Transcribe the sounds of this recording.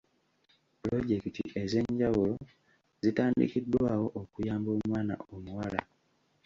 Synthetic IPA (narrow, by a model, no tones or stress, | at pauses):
plo̞ɟe̞kitiʔe̞ze̞ɲɟawulo̞ | zitaːndḭkidːwaːwo̞ʔokujaːmbo̞ːmwaːna̰omuwala